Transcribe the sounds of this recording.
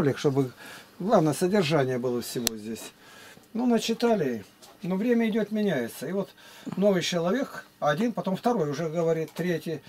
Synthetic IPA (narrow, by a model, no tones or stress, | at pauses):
lʲɪkʂt̪o̞bɨɡlˠavnəjəsədʲɪrʐanʲɪjəbɨlˠəfsʲɪvo̞zʲdʲesʲnunət͡ɕɪt̪alʲɪnovɾʲemʲəɪdʲot̪mʲɪnʲæjɪt̪səɪvo̞t̪no̞vɨjt͡ɕɪlˠɐvʲe̞kɐdʲinpɐt̪o̞mft̪ɐɾo̞jʊʐɛɡəvɐɾʲit̪ːɾʲetʲɪj